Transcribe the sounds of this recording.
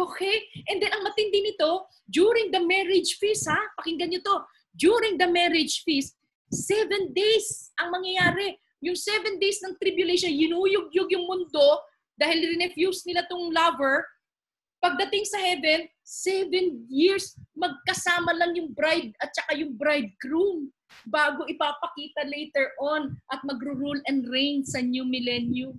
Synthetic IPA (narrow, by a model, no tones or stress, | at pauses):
ʔoːkɛjʔɛnd̪ɛnʔɐŋmɐt̪ɪnd̪ɪnɪt̪o̞ | d͡ʒ̪uɾɪŋd̪ɐmɛɾɪd͡ʒfist̪hapɐkɪŋɡɐnɲot̪o̞ | d͡ʒ̪uɾɪŋd̪ɐmɛɾɪd͡ʒfist̪̚ | sːɛvɛnd̪ejsʔɐŋmɐŋjɐjaːɾɛ | jʊŋsɛvɛnd̪ejsnɐŋt̪ɾɪbjʊlejʃonjɪnuːjʊɡ̚joɡjʊŋmʊnd̪o̞ | d̪aːhɪlɾɪnɛfjusnɪlat̪ʊŋlɐvɛɹ | pɐɡ̚d̪ɐt̪ɪŋsɐhɛvɛn | sɛvɛnjɪɹsmɐɡ̚kɐsaːmɐlɐŋjʊŋbɾajd̪̚ɐt̪̚t͡ʃɐkajʊŋbɾajd̪̚kɾum | baːɡo̞ʔɪpapɐkiːt̪ɐlejt̪ɛɹʔonʔɐt̪̚mɐɡɾʊɾulɐ̃nd̪ɹɛnsɐnjumɪlɛnjʊm